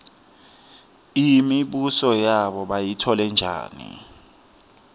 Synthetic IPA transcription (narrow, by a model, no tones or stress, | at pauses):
imiɓusɔjaɓɔɓajitʰɔlɛnd͡ʒʱa̰ːnḭ